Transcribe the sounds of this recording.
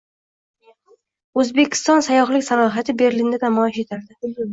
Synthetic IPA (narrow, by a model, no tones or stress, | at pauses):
ɵzbe̞kʲʰɪ̥st̪ɒnsajɒχlɪkʲsanɒɦat̪ʰɪbe̞ɾlind̪anamɒɪʃe̞t̪ʰaɾd̪ɪ